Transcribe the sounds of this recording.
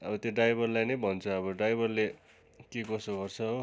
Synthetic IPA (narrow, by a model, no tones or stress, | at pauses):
ʌbʌt̪joɖajbʱʌrlajnʌjbʱʌnt͡sʰʌʌβʌɖajbʱʌrle | kekʌsoɡʌrt͡sʰʌɦo